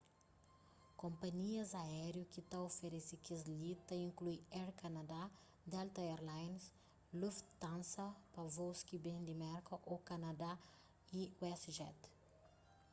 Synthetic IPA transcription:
kõmpɐɲiɐzaɛɾjukit̪aofeɾesikzlit̪ːɐĩŋklujɛɾkɐnɐd̪a | d̪ɛlt̪ɐeɾlajns | luft̪t̪ːãnsɐpɐvoskibẽnd̪imɛɾkɐʔokɐnad̪a | iwɛsʒɛt̪

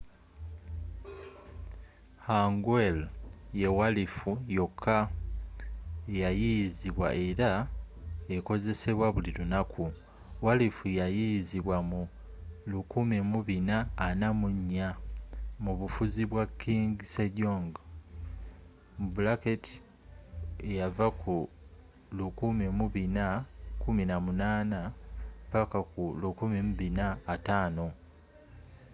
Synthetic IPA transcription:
haŋɡwelje̞walifujo̞kʰːa | ejajijiziβwa̰ʔe̞ɾa | e̞ko̞ze̞se̞βwaβulilunakʰu | walifujajijziβwamu | lukumimuβinaːnamuɲːa | muβufuziβwakːiːŋɡiseɟoːŋɡ | mubulaketʰi̥ | ejavakʰu | lukumimuβinakuminamunaːnavakakulukumimuβinaːtaːno̞

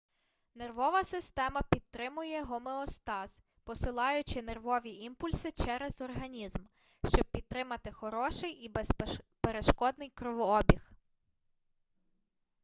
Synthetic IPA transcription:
ne̞rʋɔʋɐsɪst̪ɛmɐpʲid̪̚t̪ːɾɪmʊjɛɦɔmeɔst̪ɑz | pɔsɪlˠɑjʊt͡ʃɪnerʋɔʋʲiʔimpʊlʲsɪt͡ʃɛɾezɔrɦɐnʲizm | ʃt͡ʃɔb̚pʲid̪̚t̪ːɾɪmɐt̪ɪxɔɾɔʃɪjipeɾeʃkɔd̪nɪjkɾɔʋɔɔbʲix

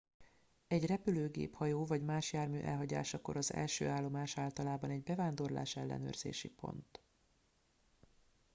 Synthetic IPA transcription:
ɛɟrɛpyløːɡḛːphɒjoːvɒɟmaːʃjaːrmy̰ːʔɛ̰lɦɒɟa̰ːʃɒko̞̰ɾɒzɛ̰lʃøːaːlːo̞maːʃaːlt̪ɒlaːbɒnɛɟbɛvaːnd̪o̞rla̰ːʃɛlːɛ̰nø̰ːrz̥ḛːʃipo̞̰nt̪

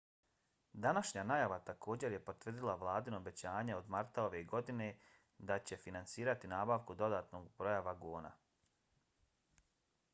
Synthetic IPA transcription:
d̪anaʃɲanajaʋat̪akʰo̞ːd͡ʑe̞ɾje̞po̞t̪ʋrd̪ilˠaʋlˠaːd̪inobe̞t͡ɕaːɲeo̞d̪maɾt̪ao̞ʋe̞ɡo̞d̪ine̞ | d̪at͡ɕe̞finantsiːɾat̪inaːbaʋkud̪o̞d̪aːt̪no̞ɡbɾo̞jaʋaɡoːna̰

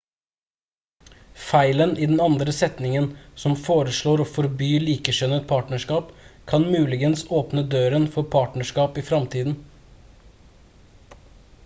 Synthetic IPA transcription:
fæɪləniːd̪ɛnɑnd̪ɾəsɛt̪nɪŋənsɔmfoːɾəʂɭoːɾoːfɔɾbyːliːkəʃœnət̪̚pʰɑːʈɳnəʂkɑːpkʰɑnmʉːlɪɡənsoːpnəd̪øːɾənfɔɾpʰɑːʈnəʂkɑːpiːfɾɑmt̪ʰiːd̪n̩

